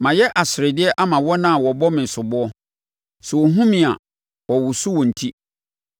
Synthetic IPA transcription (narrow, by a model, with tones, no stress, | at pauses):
mã˨jɛ˦ʔa˨sɪ˨ɾɛ˨dɪ˦ɛ˦ʔa˦mã˨wɔ˦nã˦˨wɔ˨bɔ˦mɪ̃˨n̩˨sʊ˨bʊ˦ɔ˦ | sɛ˨wɔ˨ɦũ˦mĩ˨a̰˨ | wɔ˨wʊ˨su˦wɔ̃˨n̩˨tʰi˦